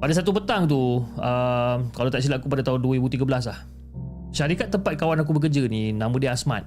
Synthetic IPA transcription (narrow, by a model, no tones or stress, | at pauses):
padas̬at̪̬upət̪aŋt̪̬uəmkalawt̪aʔs̬ilaʔkupadat̪aɦʊnduəibut̪iɡabəlas̬lah | ʃaɾikat̪ːəmpat̪̚kawanak̬ubək̬əd͡ʒənĩnãmə̃diasma̰t̪̚